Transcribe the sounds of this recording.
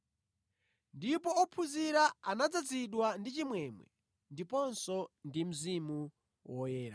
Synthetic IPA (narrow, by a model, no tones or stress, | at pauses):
ndipɔːpʰuziɾaanad͡zad͡ziɗwandit͡ʃimwɛmwɛ̰ | ndipɔnsɔndim̩zimu | wɔjɛːɾa